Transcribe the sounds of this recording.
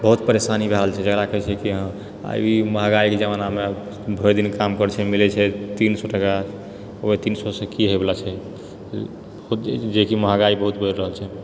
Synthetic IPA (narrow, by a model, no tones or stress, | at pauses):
bəɦut̪pəɾesanibʱeɾəlt͡ʃʰɛd͡ʒəkɾakəɦɛt͡ʃʰɛkiɦə̃ | a̰jiməɦaɡaiked͡ʒəmaname | bʱəjd̪inkamkəɾt͡ʃʰɛmilɛt͡ʃʰɛt̪insɔʈəka | oet̪insɔsẽkiɦojbelat͡ʃʰɛ | but̪d͡ʒekiməɦaɡaibəɦut̪̚bʱəjɾːəɦəlt͡ʃʰɛ